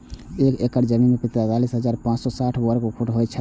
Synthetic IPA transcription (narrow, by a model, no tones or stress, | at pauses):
ekekəɾd͡ʒəminmepit̪ɾat̪alisɦəd͡ʒaɾpãt͡ʃsɔsaʈʰbəɾkokʰuʈɦojt͡ʃʰə